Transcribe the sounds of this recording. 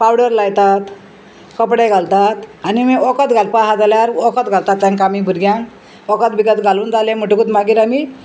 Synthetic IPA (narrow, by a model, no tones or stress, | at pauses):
pawɽəɾlajt̪at̪ | kəpɽeɡʱalt̪at̪animiɔkət̪ɡʱalpaɦad͡zaljaɾɔkət̪ɡʱalt̪at̪̚t͡sãŋkamibʱuɾɡjã | ɔkət̪biɡət̪ɡʱaluːnd͡zalem̤uʈukut̪maɡiːɾami